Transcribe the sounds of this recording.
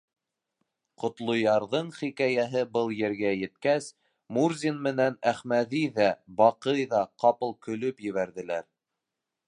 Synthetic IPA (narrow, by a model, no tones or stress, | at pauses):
qŏt̪lˠŏjɑɾðɤɴχikæjæɦɘbɤlˠjɘ̆ɾɡæjɘ̆t̪kæs | murzʲinmɘ̆nænæχmæðiðæbɑqɤjðɑqɑpɤ̆lˠkɵ̆lɵpjɘ̆βæɾðɘ̆læɾ